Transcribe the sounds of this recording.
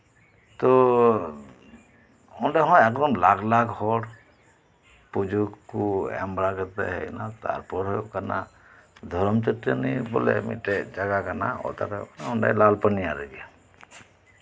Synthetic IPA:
t̪ɔ | ɔɳɖaɦɔ̃jɛkd̪ɔmlaɡlakhɔɽ | pud͡ʒukːuɛ̰mbɾakəɾt̪a̰ɦɛ̰jnat̪a̰ɾpɔɾɦɔkana | d̪ʱɔɾɔmt͡ʃɔt̪ɾenibɔ̰lɛ̰mḭʈɛd͡ʒaɡakana̰ɔ̰t̪a̰ɾɛkanaɔnɖa̰jlalpanijaɾɛɡia

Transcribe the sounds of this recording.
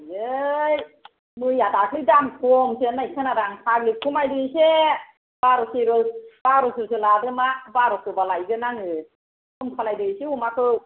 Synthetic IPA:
jɯj | mɯjadakʰlɯdamkʰɔmsenajkʰɯnaɾaŋsʰaklikʰumajdɯse | b̥aɾɔseɾɔb̥aɾɔsɯsɯladɯmabaɾɔsɯbalajɡɯnaŋɯ | kɯmkʰalajdɯseumakʰɯw

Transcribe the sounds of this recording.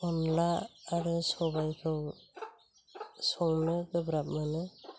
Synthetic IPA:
ɔnlaːɾɯsɔβajpʰɔw | sɔŋnɯɡɯbɾap̚manɯ

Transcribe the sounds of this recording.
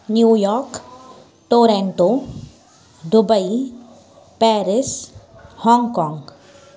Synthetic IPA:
njuːjɔːɾk | ʈoːɾẽɳʈo | d̪ʊbəi | pɛːɾɪs | hɔ̃ːŋɡkɔ̃ːŋɡ

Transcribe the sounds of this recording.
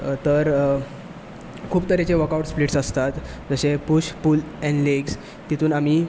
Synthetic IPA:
t̪əɾ | kʰuːpt̪əɾet͡ɕeʋəkawʈspliʈsəst̪at̪d͡zəɕepuɕpuːlɛ̃ɳleɡs | t̪it̪ʰuːnamiː

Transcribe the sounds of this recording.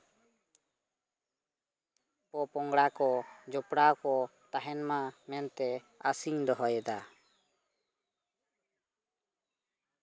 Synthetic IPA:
pɔpɔŋɡɽakɔd͡ʒɔpɽakɔt̪aɦɛnmamɛnt̪ɛ | a̰siɲd̪ɔɦɔjɛd̪a

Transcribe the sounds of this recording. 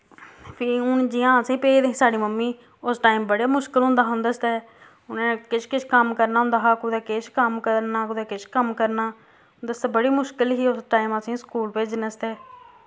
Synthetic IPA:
pʰiːʊnd͡ʒiːãːəsĩːpeːd̪ẽːsaːɽiːməmːiː | ʊsʈaːiːmbəɽaːmʊʃkəlɦʊ̃nd̪aːɦnd̪əst̪ɛː | ʊnãːkɪt͡ʃʰkɪt͡ʃʰkəmkəɾnaːɦʊ̃nd̪aːɦaːkʊd̪ɛːkɪʃkəmkəɾnaːkʊd̪ɛːkɪt͡ʃʰkəmkəɾnaː | d̪əst̪ɛːbəɽiːmʊʃkɪlɦiːʊsʈaːiːməsĩːskuːlpeːd͡ʒnəst̪ɛː

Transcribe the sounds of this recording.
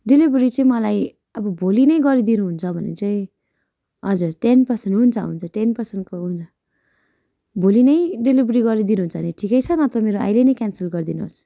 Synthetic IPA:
ɖelibɾit͡sʌĩmʌlaj | ʌbʌbʱolinʌjɡʌɾid̪inuɦunt͡sʰʌbʱʌnḛt͡saĩ | ʌd͡zurʈenpʌrsenʈɦunt͡sʰʌɦṵnt͡sʰʌʈenpʌrsenkoɦunt͡sʰʌ | bʱolinʌjɖelibɾiɡʌɾid̪inuɦunt͡sʰʌɦʌneʈʰikʌjt͡sʰʌnʌt̪ʌmeɾoa̰jlejnʌjkansʌlɡʌrd̪inuɦo̰s

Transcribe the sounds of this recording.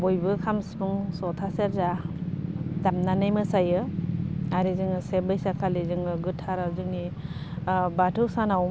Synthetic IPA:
bɔjbɯkʰamsbɯŋsɔtʰaseɾza | damnanajmɯsajɯ | aɾizɯŋɯsebɯjsakʰalizɯŋɯɡɯtʰːaɾazɯŋni | batʰɯwsanaw

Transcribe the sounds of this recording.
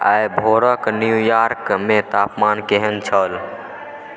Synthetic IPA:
a̰jbʱoɾəknjujaɾkmet̪apmankeɦənt͡ʃʰəl

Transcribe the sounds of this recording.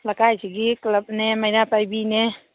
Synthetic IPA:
ləkajt͡ʃʰiɡikləb̚neməjɾapajbine

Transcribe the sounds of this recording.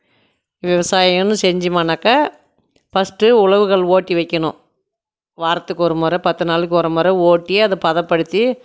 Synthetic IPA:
ʋɪʋɐsaːjɐŋɐnːɯ̃sɛɲd͡ʒimɐnɐkːɐ | fɐsʈɯʊɭɐʋɯɣɐɭoːʈːiʋɐɪkːɐɳʊ̃ | ʋaːɾɐt̪ːɯkːɔɾɐmɔɾɛpɐt̪ːɯnaːlɯkʲːɔɾɐmɔɾɐoːʈːijeɐðɯpɐðɐpːɐɽɯt̪ːi

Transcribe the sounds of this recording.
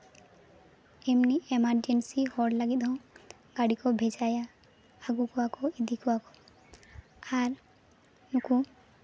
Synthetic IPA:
ɛmniɛmaɾd͡ʒensihɔɖlaɡid̪ɔ̃ | ɡaɽikɔbʱɛd͡ʒajaː | ɡukɔwakɔid̪ʱikɔakɔ | aɾ | nuku

